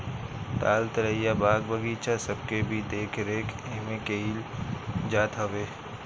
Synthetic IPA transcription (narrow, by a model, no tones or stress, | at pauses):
ʈ̪aːlt̪əɾəjabaːɡ̚bəɡiːt͡ʃasɐb̚kebʱid̪eːkʰɾeːkʰeːmẽkeiːld͡ʒaːt̪ʰɦɐʋeː